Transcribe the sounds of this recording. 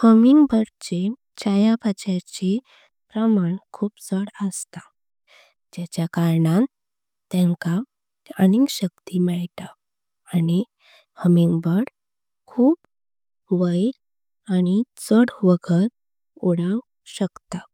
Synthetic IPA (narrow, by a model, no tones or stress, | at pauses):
həmiŋɡbəɽt͡ɕe | t͡ɕajapat͡ɕat͡ɕe | pɾəmaɳkʰuːpt͡səɽəst̪ḁ | d͡ʑat͡ɕjakaɾɳã | t̪ːɛ̃ŋka | əɽiŋɡɕək̚t̪imɛɭt̪aː | ɽ̃i | həmiŋɡbəɽ | kʰuːp | ʋəil | aɽ̃it͡səɽʋəɡʰəɾ | uɽəw | ɕəkt̪a